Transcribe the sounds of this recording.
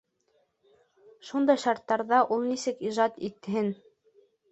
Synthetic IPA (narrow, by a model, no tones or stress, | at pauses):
ʃund̪ɑjʃɑɾt̪ːɑɾðɑʔulˠnisɘkiʒɑt̪it̪ːɘ̆ɦɘn